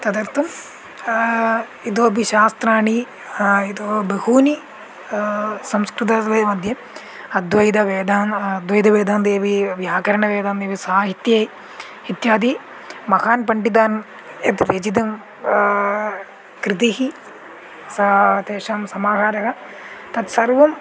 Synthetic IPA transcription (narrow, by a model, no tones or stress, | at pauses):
t̪ɐd̪ɐɾt̪ɐm | id̪oːɐbiʃaːst̪ɾaːɳi | id̪oːbeɦuːni | sɐmskɾut̪̬ɐʋɐːmɐd̪ʱjɐ | ɐd̪ʋɐjd̪ɐʋeːd̪aːnɐd̪ʋɐjd̪ɐʋeːd̪aːnd̪eːʋiʋjaːkɐɾɐɳɐʋeːd̪aːnd̪eːʋisaːɦit̪jeː | it̪jaːd̪i | mɐkaːnpɐɳʈid̪aːn | et̪ɾed͡ʒid̪ɐm | kɾit̪̬iɦi | sɐt̪eːʃaːmsɐmaːɦaːɾɐɦɐ | t̪ɐt̪sɐɾʋɐm